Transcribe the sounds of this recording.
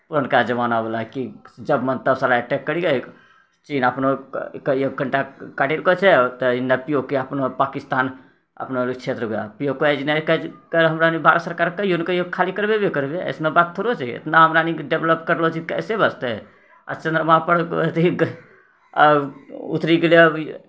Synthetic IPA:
puɾənkad͡ʒəbanabelaɦkid͡ʒəbmənt̪əsalaəʈɛkːəɾiɡə | t͡ʃinəpnokek̚ɡʱəɳʈakaʈilkot͡ʃʰɛt̪əinːapijokeəpnopakist̪an | ə̰pnolit͡ʃʰet̪ɾəkeapijokoed͡ʒnɛkəkəloɦəmɾanibʱaɾt̪səɾkaɾkəjonkejokʰalikəɾbebekəɾbeə̰snebat̪ʰːoɾot͡ʃʰɛḛt̪naɦəmɾaniɖebləp̚kəɾlot͡ʃʰikɛ̰sebəst̪ɛ | ə̰t͡ʃə̃nd̪ɾəmapəɽət̪iɡ | ṵt̪ɾiɡele

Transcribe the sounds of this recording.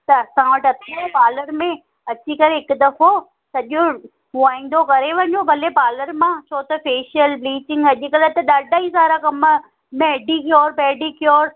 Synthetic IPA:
t̪ɐɐsãʋɐʈɐt̪ʰipaːləɾmẽ | ɐt͡ɕikɐɾeɦɪkd̪ɐfo | sɐʄo | muaːĩːn̆d̪okɐɾeʋɐ̃ɲobʱɐlepaːləɾmãt͡ɕʰoːt̪ɐfeːʃəlbliːt͡ɕɪ̃ŋɡɐʄikɐlət̪ɐɗaːɖaːɦizaːɾakɐm | mɛːɖikjoːɾpɛːɖikjoːɾ

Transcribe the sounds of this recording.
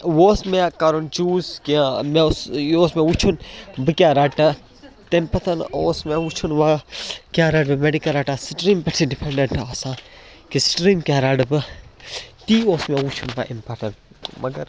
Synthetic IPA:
woːsmekɐɾont͡ʃuːskiamẽosjoːsmẽwut͡ʃʰunbɨkʲjaːɾɐʈɐ | t̪empɐt̪ʰɐnoːsmewut͡ʃʰunʋakjaːɾɐɖbɨmeɖikɐlɾɐʈasʈɾiːmpɐʈsiɖipʰeɳɖeɳʈaːsã | kisʈɾiːmkjaːɾɐɖbɨ | t̪iːoːsmewut͡ʃʰunʋa̰ʔimpɐɾʈɐnʈ | mɐɡɐɾ

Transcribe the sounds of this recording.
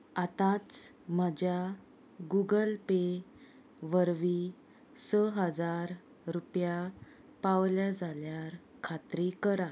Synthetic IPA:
at̪ãt͡s | m̤əd͡ʑja | ɡuɡəlpe | ʋəɾʋi | səɦəd͡zaɾ | ɾupja | paʋljad͡zaljaɾ | kʰat̪ɾikəɾa

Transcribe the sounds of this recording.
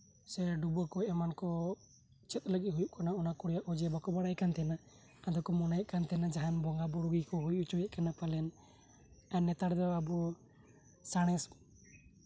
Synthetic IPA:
sɛɖubɔkɔʔɛmankɔ | t͡ʃɛt̪̚ʼləɡɛɦujuʔkanaɔnakɔɽijaʔɔd͡ʒɛbakɔbaɽ̃ajkant̪ʰɛna | ad̪ɔkɔmɔnajaʔkant̪ɛnad͡ʒaɦanbɔŋɡabɔɽuɡikɔɦujuʔut͡ʃɔjaʔkanapalɛn | ɛnːɛt̪aɽd̪ɔabɔ | saɽ̃ɛs

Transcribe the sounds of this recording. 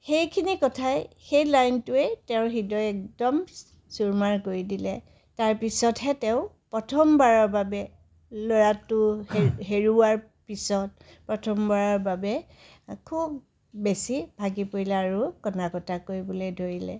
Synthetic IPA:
xejkʰinikɔtʰaj | xejlajntʊɛtɛʊ̃xidɔjɛk̚dɔm | suɹmaɹkoɹidilɛ | taɹpisɔtɦɛtɛʊ̃pɹɔtʰɔmbaɹɔɹbabɛ | loɹatʊheɦeɹuwaɹ | pisɔt̚ | pɹɔtʰɔmbaɹɔɹbabɛ | kʰub | besibʱaɡipoɹilɛaɹʊkɔnakɔtakoɹibɔledʱoɹilɛ̰

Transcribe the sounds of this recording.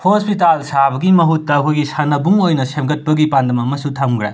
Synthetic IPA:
hospitalsabɐɡimɐɦutːɐɦujɡisɐnɐbuŋojnɐsemɡɐt̚pɐɡipandɐmɐmɐsutʰɐmɡɾḛ

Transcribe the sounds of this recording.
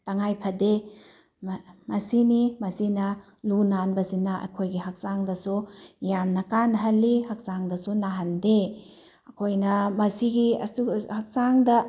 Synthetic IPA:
taŋajpʰɐde | mmɐsinimɐsinɐ | lunanbɐsinɐʔɐ̰kʰojɡiɦak̚saŋdɐsujamnɐkanɦɐlːihak̚saŋdɐsunaɦɐnde | ɐkʰojnɐmɐsiɡiɐ̰suhak̚saŋdɐ

